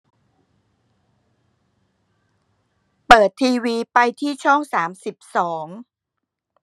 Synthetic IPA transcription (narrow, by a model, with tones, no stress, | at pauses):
pɤː˨˩t̪ʰːiː˧wiː˧pa˧jt̪ʰiː˥˩t͡ɕʰɔ˥˩ŋsaː˩˦msi˨˩p̚sɔː˩˦ŋ